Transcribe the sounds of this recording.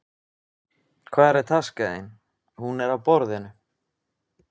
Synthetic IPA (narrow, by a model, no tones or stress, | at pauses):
kʰvaːðɾɛɾ̥t̪ʰaskaḛn | hunɛɾawpɔɾðɪnʏ